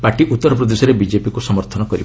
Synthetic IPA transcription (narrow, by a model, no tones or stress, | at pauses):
paɾʈiʔut̪ːɔɾɔpɾɔd̪esɔɾebid͡ʒepikusɔmɔɾt̪ʰɔnɔkɔɾib